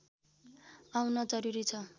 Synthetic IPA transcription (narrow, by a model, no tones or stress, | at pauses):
awnʌd͡zʌɾuɾit͡sʰʌ